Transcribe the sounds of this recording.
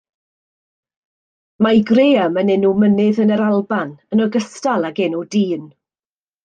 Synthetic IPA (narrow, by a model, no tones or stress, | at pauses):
majɡreːamənɛnumənɪðənəɾalˠbanənɔɡəstalˠaɡɛnudiːn